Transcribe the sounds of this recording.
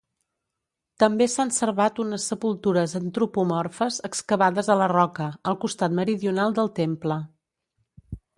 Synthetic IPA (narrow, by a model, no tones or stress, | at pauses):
t̪əmbesansəɾβat̪unəsːəpulˠt̪uɾəzənt̪ɾupumɔrfəzəkskəβaðəzələrɔkəəlˠkust̪at̪məɾiðiunalˠd̪əlˠt̪emplə